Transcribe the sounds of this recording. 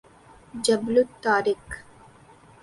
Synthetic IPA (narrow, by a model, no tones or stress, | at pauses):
d͡ʒɐblut̪ːaːɾik